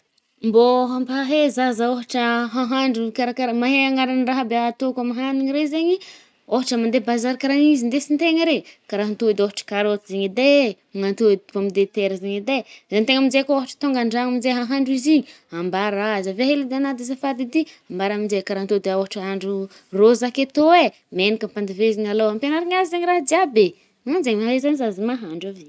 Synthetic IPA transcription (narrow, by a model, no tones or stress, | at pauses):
mboɦambaɦaɦezazaoɦaʈ͡ʂəɦaɦaɳɖ͡ʐukaɾakaɾmaɦeaŋaɾanraɦəbeat̪okamaɦaniɲiɾezeɲi | oɦaʈ͡ʂəmand̪ebazaɾkaɾanizind̪esint̪eŋəɾekaɾaɦant̪ud̪eoɦaʈ͡ʂə̥kaɾot̪izeɲid̪e | ŋant̪upamid̪et̪eɾəzeɲid̪ezant̪eŋamizekooɦaʈ͡ʂə̥t̪oŋɡaɳɖ͡ʐaŋamind͡zeɦaɦaɳɖ͡ʐiziɲi | ambaɾaazaveɦelid̪eanad̪esafad̪id̪iambaɾamind͡zekaɾant̪od̪eoɦaʈ͡ʂəɦaɳɖ͡ʐu | rozaket̪oe | menikəmpand̪iveziɲaloampanaɾiɲazizeɲiɾaɦd͡z̪iabe | manzeɲmaɾezanizazimaɦaɳɖ͡ʐave